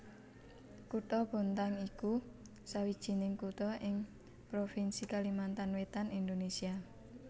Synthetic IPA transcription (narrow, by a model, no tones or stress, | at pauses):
kut̪ɔbo̤nt̪aŋiku | sawid̥ʒ̥i̤nɪŋkut̪ɔʔɪŋ | pɾofinsikalimant̪anwet̪anind̪onesia